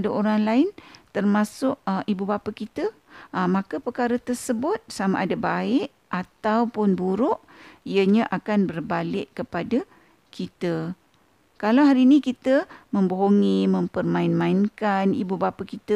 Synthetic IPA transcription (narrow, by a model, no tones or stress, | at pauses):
daoɾaŋlaɪnt̪ərmãsʊʔʔibubapakit̪ə | ʔmãkəpərkaɾət̪ərsəbʊt̪̚sama̰ʔadabaɪʔ | ʔat̪awpʊnbuɾʊʔ | ijəɲaʔakanbərbalɪʔkəpada | kit̪ə | kalawɦaɾinĩkit̪əmə̃mboɦoŋimə̃mpərmãɪnmãɪnkanḭbubapakit̪ə